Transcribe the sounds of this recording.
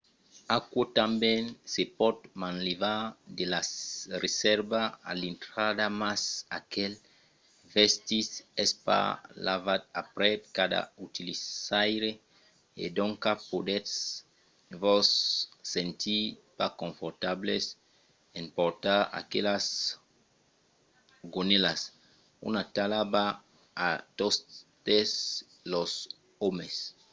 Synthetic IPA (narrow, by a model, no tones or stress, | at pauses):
akwot̪ãmbɛ̃nsepɔt̪mãnlevad̪elaresɛɾbaa̰lint̪ɾad̪amasakɛl | vɛst̪isɛspa̰la̰vat̪̚apɾɛkad̪a̰ut̪ilisajɾe | ḛd̪õŋkapod̪ets | vɔsːẽnt̪ʰipakõɱfoɾt̪ables | ẽmpoɾt̪aa̰kelas | ɡonelas | ṵnat̪alabaː | t̪ost̪es | los | omes